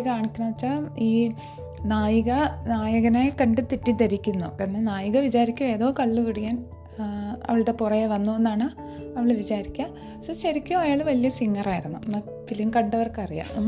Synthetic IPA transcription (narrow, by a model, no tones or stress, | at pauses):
kaːɳikʲːunaːt͡ɕːaiː | naːjɐɣɐnaːjɐɣɐnekɐɳɖɨt̪ːiʈːit̪ɐɾikʲːunːṵkɐnenaːjuɣɐʋit͡ɕaːɾikʲːume̞ːðo̞ːkɐɭːɨkiɽijaːn | ɐ̰ʋiɭɨɽe̞purɐjeʋɐnːuenːaːɳɨ | ɐʋiɭeʋit͡ɕaːɾikʲːaːm | sɐɕɐɾikʲːumɐjaːɭɨʋɐlijɐsiŋːɐraːjiɾunːunːɐ | piliuŋkɐɳɖɐʋɐrkɨɐrija̰ːm